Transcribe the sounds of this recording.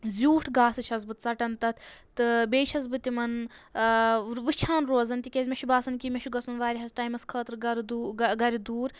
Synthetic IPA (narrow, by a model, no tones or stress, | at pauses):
zʲuːʈʰɡaːsɨt͡ʃʰɐsbɨt̪t͡sɐʈɐnt̪ɐt̪ʰt̪ɨbeːt͡ʃʰɐs̬bɨt̪imɐn | ʋɨt͡ʃʰaːnɾoːzɐnt̪ikʲeːzʲmʲeʃʰubaːsɐnkimʲeʃʰuɡɐsunʋaːɾʲiɦɐsʈaːjmɐskʰɐːt̪ɾɡɐɾd̪uːɡɐɾid̪uːɾ